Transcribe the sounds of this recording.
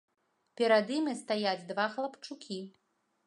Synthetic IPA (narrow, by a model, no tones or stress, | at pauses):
pʲɛɾad̪imʲist̪ajad͡zʲd̪vaxlˠɐpt͡ʂukʲi